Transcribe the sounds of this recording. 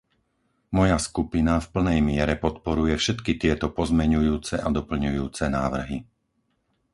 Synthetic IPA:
mɔjaskupinafpl̩nɛjmɪɛɾɛpɔt̪pɔɾujɛfʃɛt̪kit̪ɪɛt̪ɔpɔzmɛɲujuːt͡sɛʔad̪ɔpl̩ɲujuːt͡sɛnaːʋr̩ɦi

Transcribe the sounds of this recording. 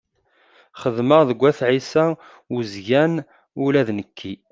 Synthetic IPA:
χəðməʁðəɡʷːæθʕisæ | uzʝæn | ulæðnəkʰːi

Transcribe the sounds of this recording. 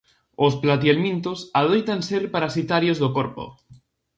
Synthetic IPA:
osplat̪jelmĩnt̪osaðojt̪anseɾpaɾasit̪aɾjozðokoɾpo̰

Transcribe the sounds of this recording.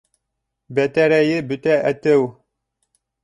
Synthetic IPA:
bæt̪æɾæjɘbɵt̪æʔæt̪æw

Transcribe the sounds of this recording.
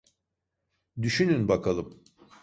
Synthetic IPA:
d̪yʃynynbakʰalˠɯm

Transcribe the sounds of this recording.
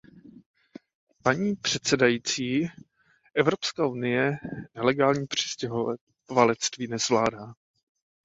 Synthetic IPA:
paɲiːpr̝̥ɛt̪sɛdajiːt͡siː | ʔɛvɾo̞pskaːʔunɪjɛnɛlɛɡaːlɲiːpr̝̥ɪ̥scɛɦ | valɛt͡st̪viːnɛzvlaːdaː

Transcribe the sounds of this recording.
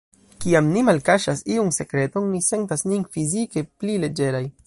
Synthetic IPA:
kiamnimalkaʃasiunse̞kɾe̞to̞nːise̞ntasninfizike̞plile̞d͡ʒe̞ɾaj

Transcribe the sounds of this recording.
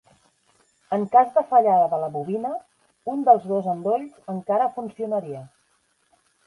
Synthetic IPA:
əŋkazðəfəʎaðəðələβuβinə | und̪əlˠzðozənd̪oʎzəŋkaɾəfunsiunəɾiə

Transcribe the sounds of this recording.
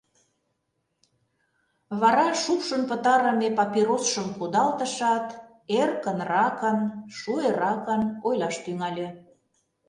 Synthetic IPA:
βɑɾɑʃukʃənpə̆t̪ɑɾə̆mepɑpiɾosʃəmkud̪ɑlt̪ə̆ʃɑt̪ | erkənrɑkənʃueɾɑkənojlɑʃt̪yŋɑlʲĕ

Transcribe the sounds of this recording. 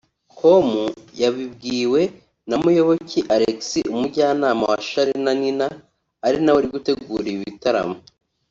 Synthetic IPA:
ko̞mujaβibɡiːwe̞ | namujo̞βo̞cʰiʔaɾeksiʔumuɾɟaːnaːma̰waʃaɾinaninaː | ɾinaweɾiɡute̞ɡuːɾiiβitaɾa̰mo

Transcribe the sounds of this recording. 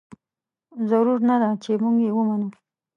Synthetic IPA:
zaɾuɾnad̪at͡ʃemuɡjewəmanu

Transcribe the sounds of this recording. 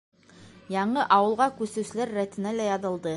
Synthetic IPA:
jɑɴɤʔɑwɤ̆lˠʁɑkʉsɘ̆sɘ̆læɾːæt̪ɘ̆nælæjɑðɤ̆lˠd̪ɤ

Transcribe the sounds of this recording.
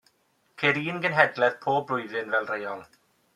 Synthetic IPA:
kʰeːɾiːnɡənɦɛdlɛðpʰoːbrʊɨðɨnvɛlˠrejɔlˠ

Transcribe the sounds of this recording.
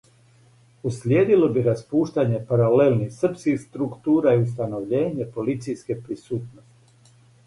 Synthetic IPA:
uslʲjeːd̪ilo̞biɾaspuːʃt̪aɲe̞paɾalelnixsr̩pskixst̪ɾukt̪uːɾaius̬t̪ano̞ʋʎe̞ːɲe̞po̞lit̪sijske̞pɾisuːt̪nost̪i

